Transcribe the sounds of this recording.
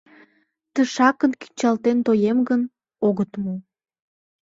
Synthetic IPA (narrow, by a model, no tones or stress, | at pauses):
t̪əʃɑkənki̥nʲt͡ɕɑlt̪ent̪ojemɡən | oɣət̪mo